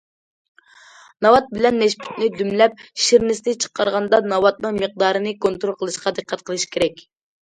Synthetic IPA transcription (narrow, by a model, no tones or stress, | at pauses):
nɑwɑt̪̚bɪlɛnːɛʃpʰy̥t̪nɪd̪ymlɛp̚ʃiɾnɪsnɪt͡ʃʰə̥qːɑɾʁɑnd̪ɑnɑwɑt̪̚nɨŋməq̚d̪ɑːɾɨnɨkont̪ɾolˠqʰəlˠɨʃqʰɑd̪ɨqʰːɛt̪̚qʰəlˠɨʃkʲʰeɾɛkʲ